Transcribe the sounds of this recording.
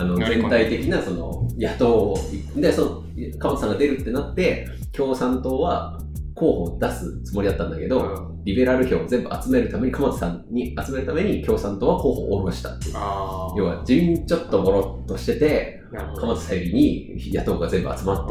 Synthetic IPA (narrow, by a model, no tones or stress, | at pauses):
ano̞d͡zẽ̞nt̪ait̪e̞kʲinaso̞no̞̰jat̪o̞ːid̪esono | kamot͡sɨ̥sãŋɡad̪e̞ɾɯ̟t̪ːe̞nat̪ːe̞ | kʲo̞ːsãnt̪o̞ːβa | ko̞ːho̞ːd̪asɨt͡sɨmo̞ɾʲid̪at̪ːãnd̪ake̞d̪o̞ | ɾʲibe̞ɾaɾɯ̟ço̞ːd͡zẽ̞mbɯ̟at͡sɨme̞ɾɯ̟t̪ame̞ɲ̟ikamot͡sɨ̥sãɲɲːiat͡sɨme̞ɾɯ̟t̪ame̞ɲ̟ikʲo̞ːsãnt̪o̞ːβako̞ːho̞̰ːoɾo̞ɕi̥t̪ḁt̪ːejo̞ːβa̰d͡ʑiĩɲt͡ɕo̞t̪ːobo̞ɾo̞t̪ːo̞ɕi̥t̪e̞t̪e̞ | kamat͡sɨ̥saiɾʲiɲ̟ijat̪o̞ːɡazẽ̞mbɯ̟a̰t͡sɨmat̪ːe